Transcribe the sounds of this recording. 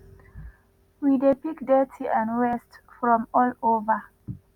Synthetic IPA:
widepikdɛtʰiʔãnɹɛstfɹɔ̃mɔlovə

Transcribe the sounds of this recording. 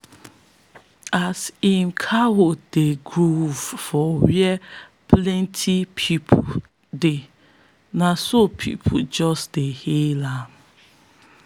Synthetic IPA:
asinkʰawodeɡɹuvfɔwiɛpʰlɛ̃ntʰipʰipʰo | de | nasopʰḭpʰud͡ʒɔsdehela

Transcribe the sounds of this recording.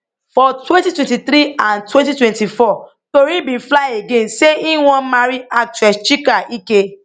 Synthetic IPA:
fɔtwɛ̃ntitwɛ̃ntit̪ɾiãntwɛ̃ntitwɛ̃ntifɔ | toɾĩbĩnflajeɡẽnseĩwɔ̃nmaɾiak̚twɛst͡ʃikaʔike

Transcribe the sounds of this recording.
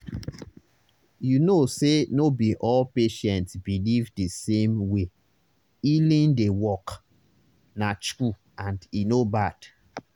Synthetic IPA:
junosenobiʔɔlpeʃɛ̃ntsbilivdisẽmwe | ilĩndewɔk | nasku | ãndinobad̥

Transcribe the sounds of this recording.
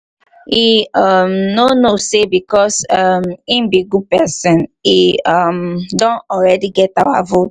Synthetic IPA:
iamnonosebikɔsʌmĩmbiɡupɛsɛ̃niamdɔ̃ntɔlɹɛdiɡɛtawa̰vot

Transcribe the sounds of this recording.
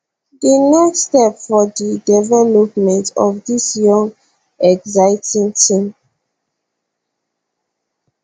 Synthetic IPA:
dinɛkstɛpfɔdidɛvɛlɔpmɛ̃ntɔ̰fdisjɔ̃ŋɡ | ɛɡzaɪtʰĩŋtʰĩm

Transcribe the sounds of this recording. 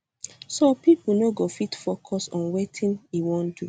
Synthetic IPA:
sopipl̩noɡofitfokʰɔsɔ̃nwetʰĩnewõndu

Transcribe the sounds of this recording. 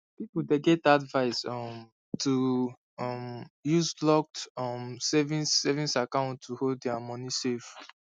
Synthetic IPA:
pipudeɡɛtadvaɪsɔm | tʰu | ɔmjuzlɔk̚tɔmsɛvĩnsɛvĩsakãʊ̃ntʰːuhoddɛamɔnisef

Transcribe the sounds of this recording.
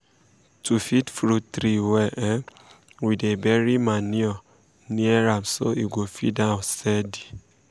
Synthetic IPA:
tufitfɾutɾiwɛʔɛ̃ | widebɛɾimãnĩɔ | nĩɛɾamsoiɡofḭdãsɛdi̥

